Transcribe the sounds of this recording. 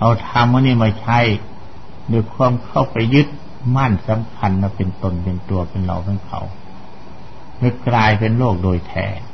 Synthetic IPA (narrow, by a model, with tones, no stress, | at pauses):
ʔa˧˩wt̪ʰaː˧mːɯː˧˨niː˧˩˨maː˧˩t͡ɕʰa˧˥˨j | doː˧˩jkʰu˧˥ə˨mkʰa˧˩˨wpa˨jːɯ˧˥˦t̪̚ | ma˧˥˨nsa˧˦mkʰa˧˥nma˧˩pe˨nt̪o˧˨npe˨nt̪u˨˧ɐpe˨nla̰˧˩˨wpʰa˧˥˨nkʰa̰˧˩w | ŋɯ˧klaː˧jpe˨nloː˥˩k̚doː˨˩jt̪ʰɛ̰ː˧˩